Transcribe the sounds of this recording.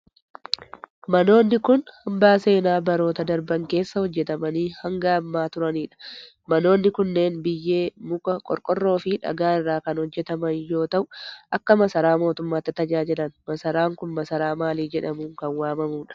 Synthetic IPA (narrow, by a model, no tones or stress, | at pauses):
mɐno̞ːnːɪkʊnhɐmbaːse̞ːnaːbɐɾo̞ːt̪ɐd̪ɐɾbɐŋke̞ːsːɐhɔd͡ʒːɛt̪ɐmɐniːhɐŋɡaːɐmːaːt̪ʊɾɐniːᶑɐ̥ | mɐno̞ːnːɪkʊnːe̞ːnbɪjːe̞ːmʊkʼɐkʼɔ̰ɾkʼɔrːo̞ːfɪᶑɐ̰ɡaːɪrːaːkɐnhɔd͡ʒːɛt̪ɐmɐnjo̞ːt̪ɐʔʊʔɐkːɐmɐsɐɾaːmo̞ːt̪ʊmːaːt̪ːɪt̪ɐd͡ʒaːd͡ʒɪlɐnmɐsɐɾaːŋkʊnmɐsɐɾaːmaːliːd͡ʒɛᶑɐmuːŋkɐnwaːmɐmuːᶑɐ̥